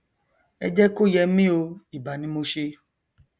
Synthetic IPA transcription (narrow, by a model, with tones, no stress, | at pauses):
ɛ̰˧d͡ʒɛ˦ko˦jɛ˧mĩ˦o˧i˨ba˨nĩ˦mo˧ʃe˧